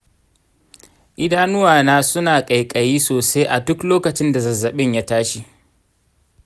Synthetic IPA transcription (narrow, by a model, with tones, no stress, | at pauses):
ʔɪ˦daː˦nʊ˦waː˨naː˦sʊ˦naː˨kʼɐ˨jkʼɐ˨jiː˦soː˨sa˦jʔa˨dʊ˦kloː˦kɐ˨t͡ʃɪ˦nda˨zɐ˨zːɐ˨ɓɪ˦ɲjaː˦taː˦ʃi˦